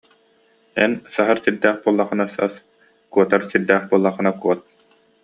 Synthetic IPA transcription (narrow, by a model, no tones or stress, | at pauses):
ɛ̰nsaɦaɾsiɾd̪æːχbuɔlˠːaχɯnasa̰s | kuɔt̪aɾsiɾd̪æːχbuɔlˠːaχɯ̆nakuɔt̪̚